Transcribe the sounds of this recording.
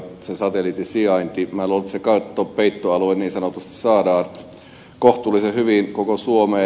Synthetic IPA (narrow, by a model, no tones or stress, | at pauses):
sesɑt̪elit̪isiɑint̪imælolt̪sekɑut̪ːopeit̪ːoɑlueniːnsɑnot̪ust̪i̥ssɑːdɑːn | koht̪ulːˑisehyʋinkokosuomeː